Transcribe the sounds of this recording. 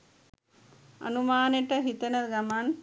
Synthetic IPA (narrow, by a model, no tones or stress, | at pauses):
ɐ̰numaːneʈəɦit̪ənəɡaman